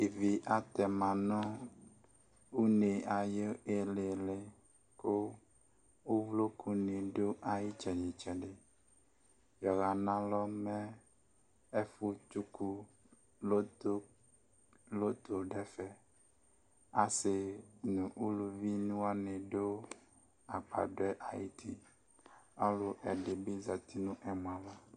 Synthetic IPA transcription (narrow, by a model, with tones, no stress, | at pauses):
e˨vi˨ʔa˨t̪ɛ˨mã˨nɔ̃˦ | u˦ne˨a˨je˦e˦le˨le˨ | ko˦ | wu˦vlo˦kʰu˦nẽ˨ɖo˦ʔa˦ji˦t͡ʃɛ˨ɲi˨t͡ʃɛ˨ɖe˦ | jɔ˨ɣa˨nã˦lɔ˦mɛ̃˦ | e˦fu˦t͡ʃu˦ku˦ | lo˦to˦ | lo˦t̪ʰo˨ɖɛ˦fɛ˨ | a˦se˨nũ˨ʔu˦lu˨vi˦nũ˦a˦nẽ˨ɖo˦ | a˨k͡pa̰˨ɖɔ˦ɛ˦ʔa˨ji˦t̪ʰi˦ | a˦lo˦ʔɛ˨ɖe˨be˦za˨t̪i˦nũ˦ʔɛ˨mũ˨a˨la˦